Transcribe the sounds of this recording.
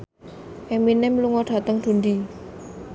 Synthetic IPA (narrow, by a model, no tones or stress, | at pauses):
ʔɛminɛmluŋɔɖ̥a̤t̪əŋd̪̥ṳnd̪i